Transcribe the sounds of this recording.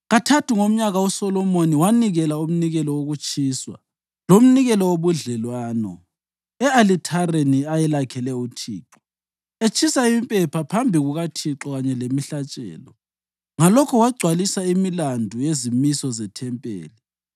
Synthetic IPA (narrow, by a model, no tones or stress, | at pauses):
ɣatʰatʰuŋom̩ɲaɣausɔlɔmoniwaniɣɛlaum̩niɣɛlɔwoɣut͡ʃʼiːswa̰ | lom̩niɣɛlɔwoβuɮɛlwaːnɔ̰ | ɛalitʰareniajɛlakʰɛlɛutʰiːǁɔ̥ | et͡ʃʰʼisaimipʼɛpʰapʰambʱiɣuɣatʰiǁɔɣaɲɛlemiɬat͡ʃʼɛ̰ːlɔ | ŋalɔkʰɔwaɡ͡ǀʱwalisaimilandʱujezimisɔzɛtʰɛmpʼḛːli